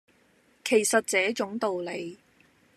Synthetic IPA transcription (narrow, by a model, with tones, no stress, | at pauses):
kʰe˨˩jsɐ˨t̚t͡sɛː˨˥t͡sʊ˨˧˥ŋt̪o˨wle˨˧j